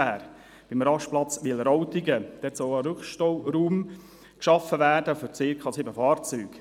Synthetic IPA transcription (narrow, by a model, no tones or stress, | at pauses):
æːɾ | b̥ɪmɾɑʃplɑt͡sʋɪlɾɔwt̪ɪɡəd̥̪ɛt͡soːəɾʉχʃtowɾuːm | kʃɑfəʋæːɾdəfʏɾt͡seːkʰɑsɪbəfɑːrt͡syːɡ̥